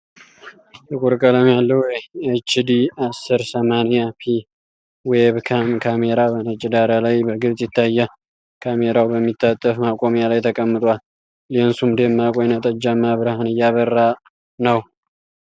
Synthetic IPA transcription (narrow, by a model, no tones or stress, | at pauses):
t̪ɨkʼuɾkʼələmjalːəhet͡ʃɪd̪iasːɨɾsəmanjapʰi | weβkʰamkʰameɾabənət͡ʃʼɪd̪aɾalajbəɡɨβsʼjɪt̪ʰːajːa | kʰameɾawbəmːit̪ʰːat̪ʼːəfmakʼo̞mjalajt̪ʰəkʼəmːɨt̪ʼwal | lensumd̪emːakʼojɛnat̪ʼəd͡ʒːamːaβɨɾhanɨjːaβərːa | nəw